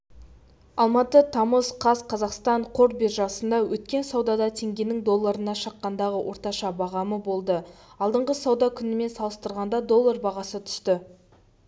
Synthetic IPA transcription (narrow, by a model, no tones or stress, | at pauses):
ɑlˠmɑt̪ət̪ʰɑməzqʰɑzqʰɑzɑqst̪ɑɴqʰo̞ɾbeɾʒɑsənd̪ɑwɵt̪kʲe̞nsɑwd̪ɑd̪ɑt̪ʰe̞ŋɡʲe̞nɪŋd̪o̞lˠːɑɾənɑʃɑqːɑnd̪ɑʁəwʔo̞ɾt̪ɑʃɑbɑʁɑməbo̞lˠd̪əɑlˠd̪əɴʁəsɑwd̪ɑkʲʰʏnɪme̞nsɑlˠəst̪əɾʁɑnd̪ɑd̪o̞lˠːaɾbɑʁɑsət̪ʰʏ̥st̪ɪ